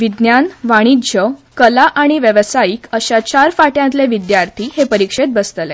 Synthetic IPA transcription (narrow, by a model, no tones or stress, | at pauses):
ʋid̪njanʋaɽ̃idd͡ʑʱəkəlaʔaɽ̃iʋjəʋsaiːkəɕat͡ɕaɾfaʈjãnt̪leʋid̪jaɾt̪ʰihepəɾikʂet̪̚bəst̪əle